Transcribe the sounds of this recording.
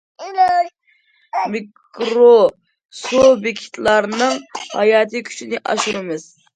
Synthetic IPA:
mik | ɾo | sobɪkʲʰi̥t̪ʰlˠɑɾnɨŋhɑ̰jɑːt̪ʰɨkʲʰy̥t͡ʃinɪʔɑ̰ʃuɾɨmɨz̥

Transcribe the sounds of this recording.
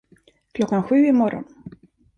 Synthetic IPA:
klʲɔkːanɧʉːimɔrɔ̰n

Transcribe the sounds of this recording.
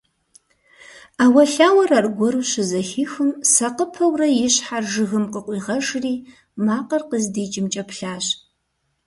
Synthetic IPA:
aːwɐɬaːwɐrarɡʷɔɾuɕɪzɐxiːxɨmsɐqəpʰɐwrɐjɪɕħarʒɨɣɨmqəqʷʼiːʁɐʒriː | maːqərqəzdeːt͡ʃʼɪmt͡ʃʼɐpʰɬaːɕ

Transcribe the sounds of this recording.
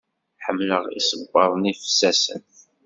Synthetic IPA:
ħəmːləʁḭsəbːɑɾˤnifsːæsə̰n

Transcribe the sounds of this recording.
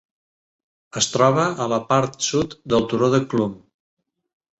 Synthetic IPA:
əst̪ɾɔβəʔːləpaɾt̪sut̪d̪əlˠt̪uɾoðəklum

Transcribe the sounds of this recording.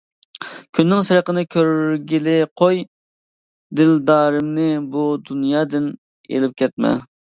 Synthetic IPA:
kʲʰynːɪŋsɨɾəqənɨkʲʰøɾɾɡʲilɪqʰoj | d̪ɪld̪ɑːɾɪmnɪbud̪unjɑːd̪ɪn | ḛlɪp̚kʲʰɛt̪̚mɛ̰

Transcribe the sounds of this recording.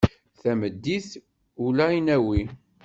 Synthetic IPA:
θæməd̪ːiθ | ulæinæwi

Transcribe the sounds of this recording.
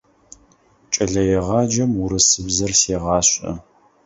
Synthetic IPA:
t͡ʃʼɐɮɐjɛʁɑːd͡ʒɐmʊɾɨsɨbzɐrseːʁɑːɕʼɐ̰

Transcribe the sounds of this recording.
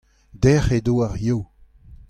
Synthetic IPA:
d̪ɛχedoːaʁjoː

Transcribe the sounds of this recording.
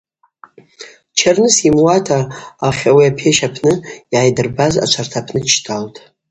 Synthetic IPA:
t͡ʃʰarnɨsimwatʰaːχʲawiapʰeʃapʰnɨiʕajdɨrbaza̰t͡ʃʷʰartʰapʰnɨt͡ʃʰtʼʰaltʼ

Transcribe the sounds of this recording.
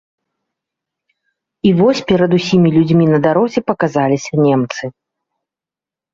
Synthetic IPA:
ivɔsʲpʲɛɾɐd̪usʲimʲilʲud͡zʲmʲinɐd̪aɾɔzʲɛpɐkazalʲisʲɐnʲemt̪sɨ

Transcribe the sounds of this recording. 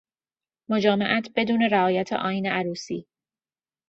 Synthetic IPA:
mod͡ʒɒːmeʔæt̪ʰb̥e̞d̪uːne̞ɾæɒːjæt̪ʰḛʔɒːjiːneʔæɾuːsḭː

